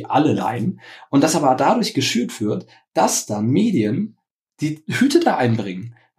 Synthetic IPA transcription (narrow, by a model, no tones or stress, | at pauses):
ʔa̰ləla̰ɪnʔʊnt̚d̥asʔaːbɐdadʊɐçɡ̥əʃyːɐtv̥ɪɐt | d̥asd̥anmeːdiən | d̥iːhyːtʰədaːʔaɪnbʁɪŋən